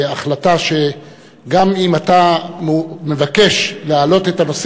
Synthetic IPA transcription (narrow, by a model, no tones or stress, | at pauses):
aχlat̪aʃe̞ | ɡamimat̪a | me̞vake̞ʃlealo̞t̪e̞t̪amas